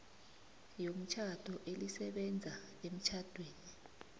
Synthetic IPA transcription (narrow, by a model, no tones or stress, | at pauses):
jom̩t͡ʃʰad̥ʱɔʔelisɛɓɛnd͡zʱa | em̩t͡ʃʰad̥ʱweːni